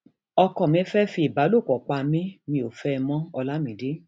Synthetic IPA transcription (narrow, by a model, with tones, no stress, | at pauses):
ɔ˧kɔ˨mĩ˨˦fɛ˦fi˧˦i˨ba˨˦lo˦˨kɔ˨k͡pa˧mĩ˦mĩ˧o˨fɛ˦˧mɔ̃˦ɔ˧la˦mĩ˨˦de˦